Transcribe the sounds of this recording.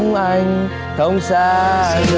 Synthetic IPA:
ŋ͡mʔa˧jŋ | t̪ʰə˧˦wŋ͡msaː˧a˧

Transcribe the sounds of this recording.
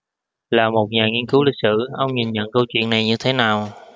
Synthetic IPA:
laː˨˩mo˨˩t̚ɲaː˨˩ŋi˧ənkɨ˨˦wlï˨˩k̚sɨ̰˧˨ʔə˧wŋ͡mɲi˨˩nɲə̰˧˨nkə˧wt͡ɕwḭ˧˨əna˨˩jɲɨ˧t̪ʰe˨˦naː˨˩w

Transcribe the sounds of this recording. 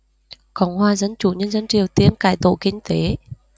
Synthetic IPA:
kɔ˨˦ŋ͡mhwaː˧˩zə˧nt͡ɕu˧˩ɲə˧nzə˧nt͡ɕi˨˩əwt̪i˧ənkaː˧˨˩jt̪o̰˧˨kï˧ŋ̟t̪e˨˦

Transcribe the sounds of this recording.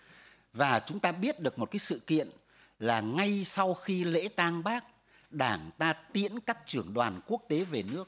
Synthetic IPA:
vaː˨˩t͡ɕʊ˨˦ŋ͡mt̪aː˧ɓi˦˥ət̚ɗɨ˨˩ək̚mo˨˩t̚kaː˨˦jsɨ̰˧˨kḭ˧˨ən | laː˨˩ŋa˧jsa˧wxi˧lḛ˧˥t̪aː˧ŋɓaː˦˥k̚ | ɗaː˧˩ŋt̪aː˧t̪i˧˦˥ənkaː˦˥k̚t͡ɕɨ˧˩əŋɗwaː˨˩nku˦˥ək̚t̪e˨˦ve˨˩nɨ˦˥ək̚

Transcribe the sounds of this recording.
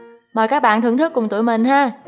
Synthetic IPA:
məː˨˩jkaː˦˥k̚ɓa̰ː˧˨nɨ˧˩əŋt̪ʰɨ˦˥kːʊ˨˩ŋ͡mt̪ṵ˧˩əjmï˨˩ŋ̟ɦaː˧˩

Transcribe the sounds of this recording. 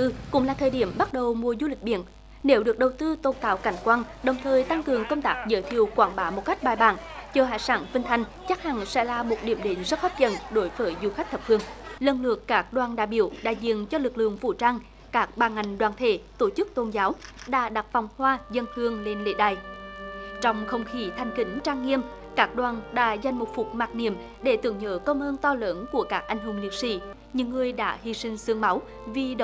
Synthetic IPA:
ɨ˧kʊ̰˧˥ŋ͡mlaː˨˩t̪ʰəː˨˩jɗi˧˩əmɓa˦˥t̚ɗə˨˩wmu˨˩əzu˧lï˨˩k̟̚ɓḭ˧˨ən | ne˨˦wɗɨ˨˩ək̚ɗə˨˩wt̪ɨ˧t̪o˧nkaː˧˨˩wka˧˩jŋ̟kwaː˧n | ɗə˨˩wŋ͡mt̪ʰəː˨˩jt̪a˧ŋkɨ˨˩əŋkə˧wŋ͡mt̪aː˦˥k̚zə̰ː˧˨˦jt̪ʰi˨˧˨əwkwaː˧˩ŋɓaː˨˦mo˨˩t̚ka˦˥k̟̚ɓaː˧˩jɓaː˧˩nt͡ɕɔː˧˩ɦa̰ː˧˩˨jsaː˨˦nfï˧ŋ̟t̪ʰa˧jŋ̟ | t͡ɕa˦˥k̚ha˨˩ŋsɛ̰˧˥laː˨˩mo˨˩t̚ɗi˧˩əmɗe˨˦nzə˦˥t̚faː˦˥t̚t͡ɕə̰˧˨nɗo˨˦jvəː˨˦jzu˧˩xa˦˥k̚t̪ʰə˨˩p̚hʰɨ˧˩əŋlə˧˩nlɨ̰˨˩əkːaː˦˥k̚ɗwaː˨˩nɗa̰ː˧˨jɓi˧˩əwɗa̰ː˧˨jzḭ˧˨ənt͡ɕɔ˧lɨ˨˩k̚lɨ̰˧˨əŋfṵ˧˩t͡ɕaː˧ŋ | kaː˦˥k̚ɓaː˧˩ŋa˨˩jŋ̟ɗwaː˨˩nt̪ʰe˧˩t̪o˧˩t͡ɕɨ˦˥k̚t̪o˧nzaː˨˦wɗa̰ː˧˥ɗa˨˩t̚va˨˩wŋ͡mhwaː˧zə˧nhɨ˧əŋle˧nlḛ˧˥ɗaː˧˩j | t͡ɕɔ˧wŋ͡mxə˧wŋ͡mxi˧˩t̪ʰa˨˩jŋ̟ki˨˦ŋ̟t͡ɕaː˧ŋːi˧əm | kaː˦˥k̚ɗwaː˨˩nɗa̰ː˧˥za˨˩jŋ̟mo˨˩t̚fu˨˩k͡p̚maː˨˩k̚ni˧˨əm | ɗe˧˩t̪ɨ̰˧˨əŋɲə̰ː˧˥kə˧wmʔəː˧nt̪ɔ˧ləː˨˦nku˧˩əkaː˦˥k̚ʔa˧jŋ̟ɦu˧˩mli˨ək̚sḭ˧˩ | ɲɨ̰˧˥ŋːɨ˨˩əjɗa̰ː˧˥hi˧sï˧ŋ̟sɨ˧əŋma˨˦w | vi˨˩ɗə˧˨

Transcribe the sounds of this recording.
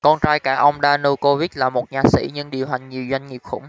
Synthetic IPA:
kɔ˧nt͡ɕaː˧jkaː˧˩ʔə˧wŋ͡mɗaː˧no˧ko˧vi˦˥t̚laː˨˩mo˨˩t̚ɲaː˨˩sḭ˧˥ɲɨ̰˧ŋɗi˨˩əwɦa˨˩jŋ̟ɲi˨˩əwzwa˧jŋ̟ŋi˨˩xʊ̰˧˦ŋ͡m

